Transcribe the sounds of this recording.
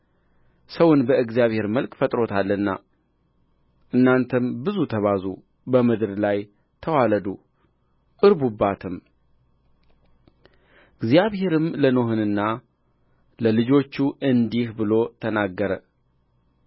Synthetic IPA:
səwʊnbəɨɡzijaβhe̞ɾməlkʼfət̪ʼɾo̞t̪ʰalːəɨnːa̰ | ʔɨnːant̪ʰəmbɨzut̪ʰəβazṵ | bəmɨd̪ɨɾlaj | t̪ʰəwaləd̪u | ʔʼɨɾbubːat̪ʰɨm | ɨɡzijaβhe̞ɾɨmləno̞ɦɨnɨnːa | ləlɨd͡ʒo̞t͡ʃːuʔɨnd̪ihbɨlo̞t̪ʰənaɡːəɾə

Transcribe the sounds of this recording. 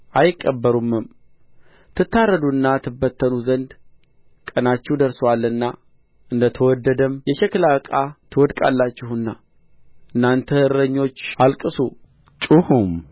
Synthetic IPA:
ʔajɪkʼːəbːəɾumːɨm | t̪ʰɨt̪ːarːəd̪uɨnːat̪ʰɨbːət̪ʰːənuzənd̪ | kʼənat͡ʃːɛhwd̪əɾswalːɨnːa | ʔɨnd̪ət̪ʰəwɔd̪ːəd̪əmjɛʃɛklabəkʼat̪ʰɨwɔd̪kʼa̰lːat͡ʃːɪhɨnːa | ʔɨnːant̪ʰəhɨɾəɲːo̞t͡ʃːʔalkʼɨsu | t͡ʃʼuhum

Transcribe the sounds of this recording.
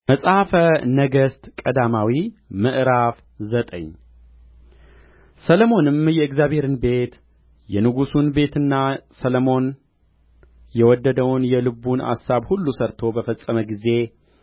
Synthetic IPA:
məsʼhafənəɡəst̪kʼəd̪amawimɨʔɾaf | zət̪ʼə̰ɲː | sələmo̞nɨmjɛɨɡzjaβhe̞ɾɨnbe̞t̪ | jɛnɨɡusunbe̞t̪ɨnːasələmo̞n | jɛwɔd̪ːəd̪əwnjɛlɨbuna̰sːaβhulːusəɾt̪ʰo̞bəfəsʼəməɡize̞

